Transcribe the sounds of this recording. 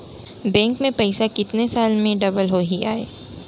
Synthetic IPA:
bɛ̃ːŋkmẽpɐɪsakɪt̪nesaːlmẽɖɐbəlɦoɦiaːḛː

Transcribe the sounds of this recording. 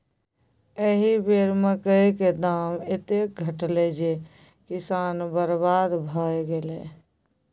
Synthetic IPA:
eɦibeːɾməkəiked̪aːmɪt̪ek̚ɡʱəʈled͡ʒe | kɪsaːnbəɾbaːd̪bʱaːjɡeleː

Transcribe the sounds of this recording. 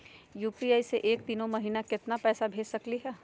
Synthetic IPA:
juːpiaːiseʔeːk̚t̪iːnõmɐɦiːnakɪt̪napɛːsabʱeːd͡ʒsɐkliɦɛː

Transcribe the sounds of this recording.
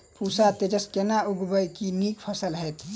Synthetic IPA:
pusat̪ed͡ʒəskenauɡbəjkinikpʰəsəlɦəjt̪ʰ

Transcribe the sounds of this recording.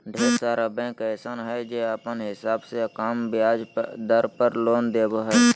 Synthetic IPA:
ɖʱeːɾsaɾəbɛ̃ːkɛːsənɦɛd͡ʒeːəpənɦɪsaːbsekaːmbjaːd͡ʒd̪əɾpəɾloːnd̪eːbəɦɛː

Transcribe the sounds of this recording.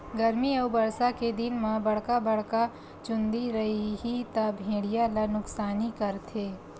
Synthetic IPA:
ɡɐɾmiɐwbɐɾsaked̪ɪnmãbɐɽ̤kabɐɽ̤ka | t͡ʃʊ̃nd̪iɾɐɦiɦit̪abʱẽːɽijalanʊksaːnikɐɾt̪ʰeː

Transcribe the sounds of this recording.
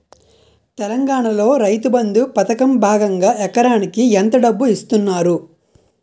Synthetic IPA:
t̪ɛlɐŋɡaːɳɐlo̞ːɾɐjt̪ubɐnd̪upɐt̪ɐkɐmbʱaːɡɐŋɡaːʔɛkːɐɾaːnikiɛnt̪ɐɖɐbːuist̪unːaːɾu

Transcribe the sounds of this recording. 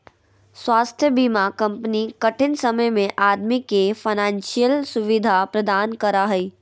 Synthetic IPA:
swaːst̪ʰjəbiːmakɐ̃mpənikɐʈʰɪnsɐməjmẽʔaːd̪mikefʰɐnãːnʃijəlsʊʋɪd̪ʱapɾɐd̪aːnkɐɾaɦɛi

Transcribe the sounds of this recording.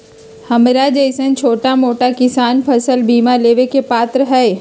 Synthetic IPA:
hɐmɾad͡ʒeɪsənt͡ʃʰoːʈamoːʈakɪsaːnpʰɐsəlbʱiːmaleːʋekepaːt̪ɾəɦɛː

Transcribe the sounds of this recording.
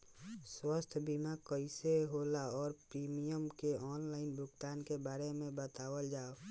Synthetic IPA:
swəst̪ʰbimakəɪseɦoːlaɔːɾpɾiːmijəmkeʔɔːnlaːɪnbʊɡt̪aːnkebaːɾemẽbət̪aːwəld͡ʒaːo

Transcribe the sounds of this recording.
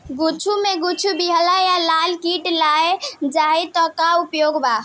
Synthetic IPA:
ɡut͡ʃʰumeɡut͡ʃʰubiɦəlajalalkiʈlaed͡ʒaɦit̪ɔkaupjoɡba

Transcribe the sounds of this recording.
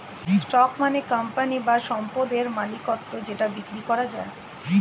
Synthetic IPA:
ssʈɔkmanekampanibaʃɔmpod̪eɾmalikot̪ːod͡ʑeʈabikɾikɔɾad͡ʑae

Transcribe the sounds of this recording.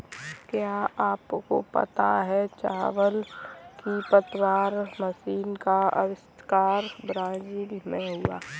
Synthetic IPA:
kjaːaːpko̰pɐ̰t̪aɦɛt͡ʃa̰ːʋəlkipət̪waːɾməsiːnkaə̰wɪst̪kaːɾbɾãːziːlmẽɦʊa̰ː

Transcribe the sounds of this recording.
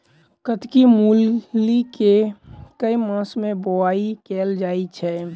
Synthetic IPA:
kət̪kimuːlːikekəimãːsmẽboaːikeːld͡ʒaːit͡ʃʰɛ

